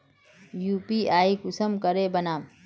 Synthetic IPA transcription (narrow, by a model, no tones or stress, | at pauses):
juːpiaːikʊsəmkəɾebɐnaːm